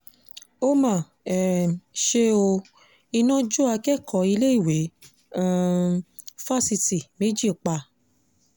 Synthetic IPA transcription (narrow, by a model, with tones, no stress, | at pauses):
o˦mã˨ | ɛ˨ʃe˦o˧ | i˧nã˦d͡ʒo˦a˧kɛ˦˨kʰɔ˨˧˦i˧le˦i˦˨wẽ˨˦˨ | fa˦si˧ti˨me˨˦d͡ʒi˦˨k͡pa˧